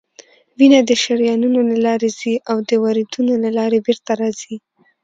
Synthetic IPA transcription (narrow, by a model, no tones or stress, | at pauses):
winad̪əʃaɾjɑnunolalɑɾez̥iʔawd̪əwaɾid̪unolalɑɾebeɾt̪aɾɑz̥i